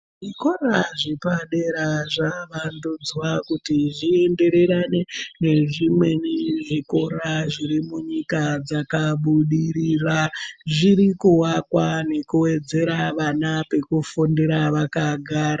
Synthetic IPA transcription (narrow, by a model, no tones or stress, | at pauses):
ʐiko̞ɾaʐipaɗe̞ɾaʐaʋandud͡zwakutiʐiende̞ɾe̞ɾanene̞ʐimwe̞niʐiko̞ɾaʐiɾimuɲikad͡zakaɓuɗiɾiraʐiɾikuwakwane̞kuwe̞d͡ze̞ɾaʋanape̞kufundiɾaʋakaɡʱaːɾa